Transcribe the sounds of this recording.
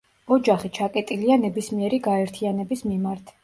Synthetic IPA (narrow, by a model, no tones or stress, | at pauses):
ɔd͡ʒaχit͡ʃʰakʼɛt̪ʼilianɛbismiɛɾiɡaɛɾt̪ʰianɛbismimaɾt̪ʰ